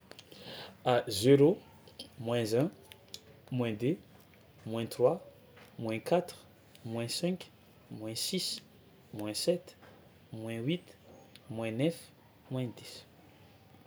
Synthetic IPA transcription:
azeɾo | mwɛ̃zɛ̃ | mw̃ɛ̃d̪e | mwɛ̃t̪rwa | mwɛ̃kat̪ʁ | mwɛ̃sɛ̃k | mwɛ̃sis | mwɛ̃sɛt̪ | mwɛ̃wit̪mwɛ̃nɛf | mwɛ̃d̪is

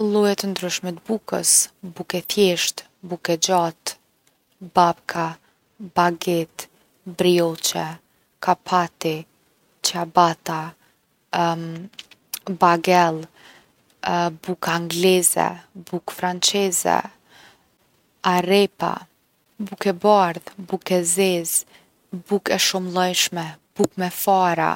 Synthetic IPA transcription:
əlˠɔjɛt̪ənd̪ɾyʃmɛt̪bukə̰sbukɛθjɛʃt̪ | bukɛd͡ʑat̪ | bapkʰa | baɡɛt̪ | bɾiɔt͡ʃɛ | kapʰat̪i | t͡ʃabat̪a | baɡɛlˠ | bukaŋɡlɛzɛ̰bukfɾant͡sɛzɛ̰ | aɾɛpa̰ | bukɛbaɾðbukɛzɛz | bukɛʃumlˠɔjʃmɛb̥ukmɛfaɾa̰

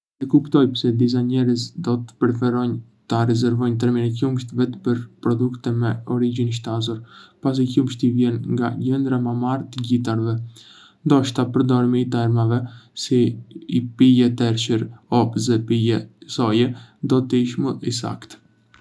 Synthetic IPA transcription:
ɛkupt̪ɔjpsɛd̪iz̬aɲɛɾəsd̪ɔt̪ə̥pɛɾɛfɛɾɔjn | t̪aɾɛzɛɾvɔjnt̪̬ɛɾminɛkumʃt̪vɛt̪pəɾpɾɔd̪ukt̪ɛmɛɔɾid͡ʑinʃ̬t̪azɔɾpas̬ikumʃt̪ivjɛnŋɡaɟɛnd̪ɾamamaɾt̪əɟit̪̬aɾvɛ | nd̪ɔʃt̪apəɾd̪ɔɾmit̪aɛɾmavɛsiː | pijɛt̪ɛɾʃəɾɔpzɛpijɛsɔjɛd̪ɔt̪əiʃməisa̰kt̪

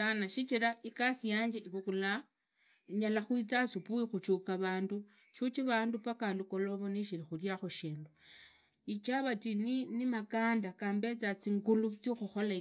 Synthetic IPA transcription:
sanaʃit͡ʃiɾaikasijaːɲd͡ʒeiβukula | ɲalaxwit͡sasupuixut͡ʃukaβaːndu | ʃut͡ʃiβaːndupakandukoloβoniʃiɾixuljaxoʃeːndu | it͡ʃaβatininimakaːndakaːmbet͡sat͡siŋɡulut͡sixuxo̞la

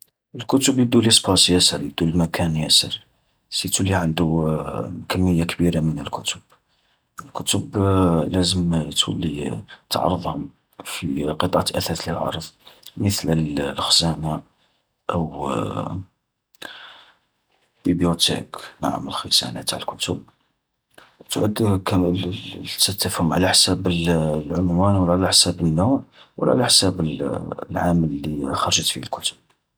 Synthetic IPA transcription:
əlkʊt̪ʊbjəd̪ulispɑsjæsəɾjəd̪ulmækʰænjæsəɾ | sit̪uliʕənd̪u | kəmːəjːakbiɾamənəlkʊt̪ʊb̥̚ | əlkʊt̪əblæzəmt̪ʰṵlit̪ʕ̰ɾˤəd̪ˤhʊm | fiqət̪ˤʕaʔæθæθləlʕɑ̰ɾˤðˤmət̪ləlxzæna | ʔəw | bibjut̪ḛknaʕa̰məlxəsæ̰nat̪aʕəlkʊt̪ʊb̚ | t̪ʕəd̪k | t̪ət̪ːəfhʊmʕlæħsæbəllʕʊmwænwəlʕlæħsæbənːuʕwəlʕa̰læħsæbəllʕaməlːixɑɾˤʒət̪fihælkʊt̪ʊ̥b̚

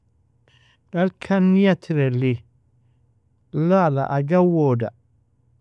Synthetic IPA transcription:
dalkʰanːijatʰiɾɛli | lala̰ʔaɡawoda̰

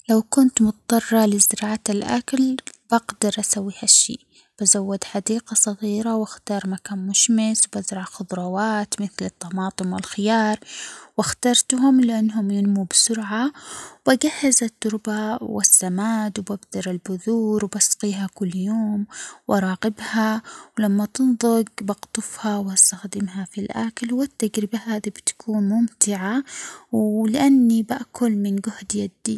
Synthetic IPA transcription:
lawkʊnt̪mʊt̪d̪ˤɑrˤːɑlɪzɪɾɑːʕalʔa̰klb̥aɡd̪ɑɾˤʔasawːiːhaʃːḭː | b̥azawːad̪ħad̪iːqɑsˤɑɣiːɾawaxt̪ɑːɾˤmakaːnmʊʃmɪswbazɾˤɑʕxʊd̪ˤɾˤɑwaːt̪mɪθlɨt̪ˤːɑmɑːt̪ˤɨmwɪ̰lxɪjɑːɾˤwaxt̪ɑɾˤt̪ɦʊmlɪʔanːɦʊmjɪnmubsʊɾʕawbaɡahːazat̪ːʊɾˤbawɪ̰sːamaːd̪wbabd̪ɑɾˤɪlbʊðuːɾwbasqiːɦakʊlːjoːmwʔɑɾˤɑːqɪbhawlamːat̪ɪnðˤʊɡbɑɡt̪ˤʊfhawast̪axd̪ɪmɦafilʔa̰klwɪt̪ːaɡɾɪbahaːðibt̪ḁkʰuːnmʊmt̪ɪʕawlɪʔanːibaʔkʰʊlmɪnɡʊhd̪jad̪

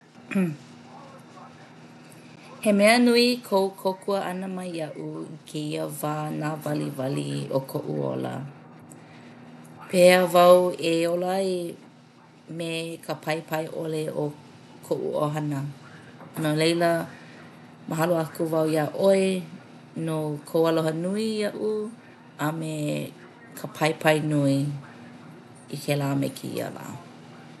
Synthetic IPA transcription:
hemɛənuikʰowkʰokʰuəʔɐnəmɐjɐʔuikʰeiəvaːnaːvɐlḭvɐlḭokʰoʔṵo̰lə̰ | pʰeəvɐweolaj | mekʰəpʰɐjpʰɐjʔoleʔo | kʰoʔṵʔo̰ɦɐnə | nolejlə | mʔəɦɐloakuvɐwiaʔoe | nokʰowɐloɦɐnuiɐʔu | ɐme | kʰəpʰɐjpʰɐjnui | ikʰelaːmḛkʰḭḭə̰la̰ː

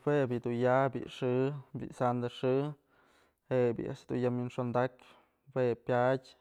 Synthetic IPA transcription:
webʲid̪unjabʲḭʔʂɨbʲḭsand̪aʂɨ | hebʲḭʔa̰ʔʂd̪ṵnjaminʂond̪ak | wepʲjadʲ

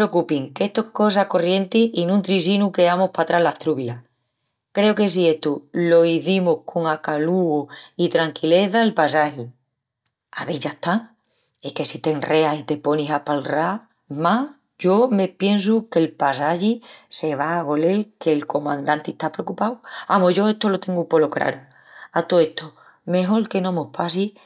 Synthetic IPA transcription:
pɾeokupiŋke̞ht̪oko̞sako̞rje̞nt̪iinũnt̪ɾisinuke̞amohpat̪ɾaɦlaht̪ɾuβila | kɾe̞oke̞s̬ie̞ht̪ulo̞iθimohkʰo̞ŋakaluɣit̪ɾaŋkile̞θaelpasahi | a̰βe̞ʝat̪aŋ | ehke̞sit̪eŋre̞asit̪e̞po̞niɦapalra | ma | ɟ͡ʝo̞me̞pje̞ns̬uke̞lpasaʝise̞βaːɣo̞le̞lke̞lko̞mãnd̪ant̪eht̪apɾeokupawamoʝo̞e̞ht̪o̞lo̞t̪e̞ŋɡupo̞lokɾa̰ɾo | at̪oe̞ht̪o | me̞ɦo̞lke̞nõmohpʰasi

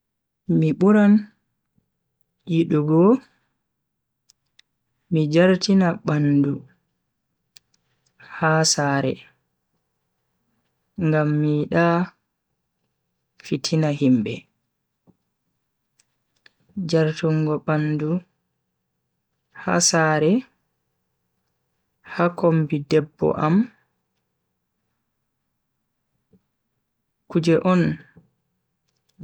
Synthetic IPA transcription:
miɓuɾan | jiɗuɡɔ | mid͡ʒaɾtinaɓandu | haːsaːɾɛ̰ | ŋɡamːiɗa | fitʰinaɦimbɛ̰ | d͡ʒaɾtuŋɡɔɓandu | ha̰saːɾɛ | hakombidɛbːɔ̰ʔam | kud͡ʒɛʔɔn

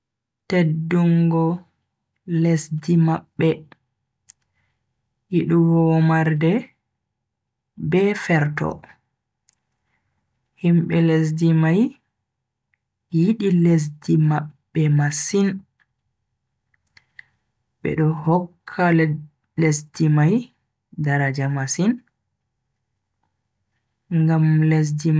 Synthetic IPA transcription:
tedːuŋɡɔ | lesdimaɓːɛ | jiɗuɡɔmaɾdɛ | bɛfɛɾtɔ̰ | himɓɛles̬dimaj | jiɗiles̬dimaɓːɛmasin | ɓɛ̰ɗɔhɔkʰːal | lesdimaj | daɾad͡ʒamasin | ŋɡamles̬dim

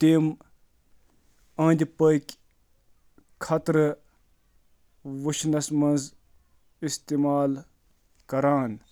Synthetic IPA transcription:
t̪eːm | ɐ̃ːnd̪ʲpəkʲ | kʰɐt̪ɾɨ | ʋuʃnɐsmɐnz | ist̪eːmaːl | kɐɾaːn

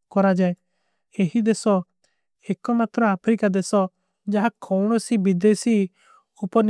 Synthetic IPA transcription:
kɔɾad͡ʒae | eɦid̪esɔ | ɛkɔmat̪ɾɔapʰɾikad̪esɔ | d͡ʒaɦakʰɔwɽ̃ɔsibid̪esi | upɔn

